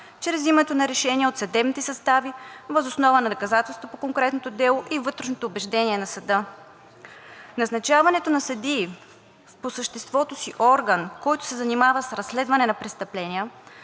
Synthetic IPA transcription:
t͡ʃɾɛzimɛt̪onɐɾɛʃɛniəot̪sɐd̪ɛbnit̪ɛsɐst̪avivəzosnɔvənɐd̪okɐzat̪ɛlˠst̪vopokoŋkɾɛt̪not̪od̪ɛlˠoʔivɤt̪ɾɛʃnot̪oːbɛʒd̪ɛniɛnɐsɐd̪ɤ | nɐznɐt͡ʃavɐnɛt̪onɐsɐd̪i | posəʃt̪ɛst̪vɔt̪osiʔɔɾɡənkɔjt̪ʊ̥sɛzɐnimavəsɾɐsːlɛd̪vɐnɛnɐpɾɛst̪ɐplɛnʲiə

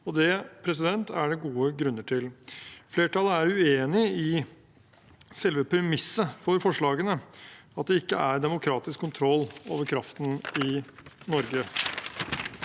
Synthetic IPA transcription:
ɔd̪ɛpʰɾɛsɪd̪ɛnt̪æɖɛɡuːəɡɾʉnːəʈʰɪlfleːʈʰɑːlːəæɾʉeːnɪɪ | sɛlʋəpʰɾɛmɪsːəfɔɾfɔʂɭɑːɡənəɑt̪̚d̪ɛɪkːə̰ʔæɾd̪ɛmʊkʰɾɑːt̪ɪskʰːʊnt̪ʰɾɔlːo̰ːʋəɾkʰɾɑft̪nɪ | nɔɾɡə

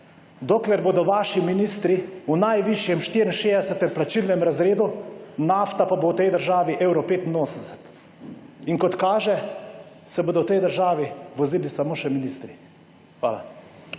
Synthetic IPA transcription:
d̪oːklɛɾboːd̪ɔʋaːʃiminiːst̪ɾiunajʋiʃjɛmʃt̪iɾinʃeːd̪ɛsɛt̪ɛmplat͡ʃilnɛmɾazɾeːd̪unaft̪apabowt̪ɛjd̪əɾʒaːʋiʔɛwɾɔpeːt̪inoːsənd̪ɛsɛt̪ | iŋkɔt̪kaːʒɛ | sɛboːd̪ɔwt̪ɛjd̪əɾʒaːʋiʋɔziːlisamoːʃɛminist̪ɾi | xʋa̰ːla̰

